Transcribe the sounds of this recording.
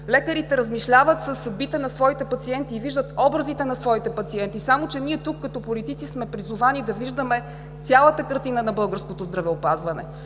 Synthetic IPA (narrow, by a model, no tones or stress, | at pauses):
lɛkəɾit̪ɛɾəzmiʃlʲavət̪səsːɐd̪̚bit̪ɛnɐsvɔit̪ɛpɐt̪siɛnt̪iːviʒd̪ət̪ɔbɾəzit̪ɛnɐsvɔit̪ɛpɐt̪siɛnt̪isamot͡ʃɛniɛt̪ukːɐt̪ɔpolit̪it̪sismɛpɾizʊvanid̪ɐviʒd̪əmɛ | t̪sʲjalˠət̪əkəɾt̪inənɐbɤlˠɡəɾskot̪ozd̪ɾɐvɛopazvɐnɛ̰